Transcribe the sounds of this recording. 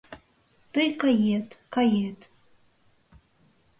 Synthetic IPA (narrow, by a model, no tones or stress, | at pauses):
tɨjkʼajetʼkʰajetʼ